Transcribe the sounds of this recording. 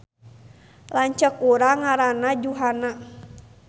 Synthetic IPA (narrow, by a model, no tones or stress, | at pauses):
laɲt͡ʃəkuɾaŋaɾanad͡ʒuɦana